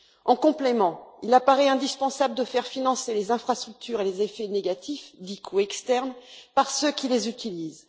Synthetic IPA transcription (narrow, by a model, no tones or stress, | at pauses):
ɑ̃kɔ̃plemɑ̃ilapaʁɛɛ̃d̪ispɑ̃sabləd̪əfɛʁfinɑ̃selezɛ̃fχast̪χyk̚t̪ʰyʁelezefɛneɡat̪ʰifd̪ikʰuɛkst̪ɛʁnpaʁsøkʲilezyt̪iliːz